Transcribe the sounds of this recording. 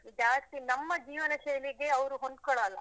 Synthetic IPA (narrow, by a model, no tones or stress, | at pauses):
id͡ʒaːst̪inɐmːɐd͡ʒiːʋɐnɐʃɐjliɡeɐʋɾuɦond̪̚kɔɽaːlːɐ̰